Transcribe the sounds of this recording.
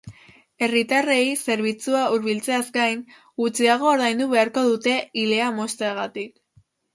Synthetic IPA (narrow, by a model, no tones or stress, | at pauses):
e̞rit̪are̞jse̞ɾβ̞it͡suauɾβilt͡se̞azɡajn | ɡut͡siaɣ̞o̞ːɾðajnd̪uβe̞aɾko̞ðut̪e̞ile̞amo̞st̪eaɣ̞at̪ik